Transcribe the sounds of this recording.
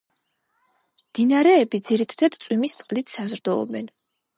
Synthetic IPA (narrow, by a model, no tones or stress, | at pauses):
md̪̥inaɾɛːbid̪ziɾit̪ʰat̪ʰad̪t̪sʼwimist̪sʼqʼlit̪ʰsazɾd̪ɔɔ̰bɛn